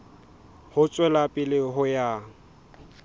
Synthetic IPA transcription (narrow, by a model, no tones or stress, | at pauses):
hʊt͡sʼwɛlapʼɪlɪɦʊjaː